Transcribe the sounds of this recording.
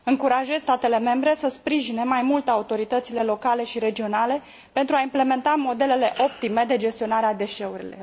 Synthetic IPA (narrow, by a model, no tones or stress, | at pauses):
ɨŋkuɾaʒe̞zʲst̪at̪e̞le̞me̞mbɾe̞səspɾiʒine̞majmult̪aut̪o̞ɾit̪ət̪sile̞lo̞kale̞ʃiɾe̞d͡ʒio̞nale̞ | pe̞nt̪ɾuaimple̞me̞nt̪amo̞d̪e̞le̞le̞ʔo̞p̚t̪ime̞d̪ed͡ʒe̞st̪io̞naɾead̪e̞ʃe̞uɾḭlo̞̰